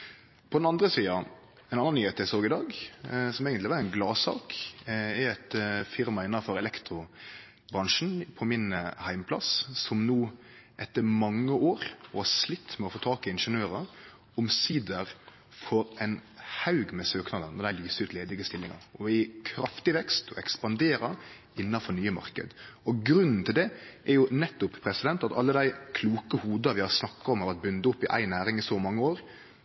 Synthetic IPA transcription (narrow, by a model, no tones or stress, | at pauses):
pʰɔd̪ɛnɑnd̪ɾəsiːɑ | ɛnɑnːɑnyːheːt̪jæɪsoːɡɪd̪ɑːɡsɔmeːɡənɪʋɑːɾæɪnɡlɑːsɑ̰ːkɛæt̪fɪɾmɑɪnːɑfɔɾɛlɛkt̪ɾʊ | bɾɑŋʂn̩pʰɔmɪnhæɪmpʰlɑ̰ssɔmnuː | ʔɛt̪ːəɾmɑŋːəʔoːɾɔhɑʂlɪt̪ːmɛɔfoːt̪ʰɑːkɪɪnʂənøːɾɑ | ɔmsiːd̪əɾ | fɔɾæɪnhɑʉɡmɛsøːknɑːd̪ənːɔɾd̪æɪlyːsʉːt̪leːd̪ɪɡəst̪ɪlːɪŋɑ̰ɾɔɪkʰɾɑft̪ɪʋɛkst̪ʰɔɛkspɑnd̪eːɾɑ | ɪnːɑnfɔɾnyːəmɑ̰ɾkə̰d̪ɔɡɾʉnːn̩t̪ʰɪld̪ɛʔɛɾjʊnɛt̪ːʊppʰɾɛsɪd̪ɛnt̪ɑt̪ɑlːəd̪æɪkʰluːkəhuːd̪ɑʋɪhɑɾsnɑkːɑɾɔmhɑʋɑt̪̚bʉnd̪əʊpːɪʔæ̰ɪnæːɾɪŋɪsɔmɑŋːəoːɾ